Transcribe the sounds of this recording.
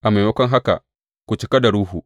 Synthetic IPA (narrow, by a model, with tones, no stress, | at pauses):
ʔa˨ma˨wɐ˦kʷɔ˦ŋɦa˦ka̰˨ | kʷu˨t͡ʃɪ˦ka˦da˨ɽuː˦ɦu˨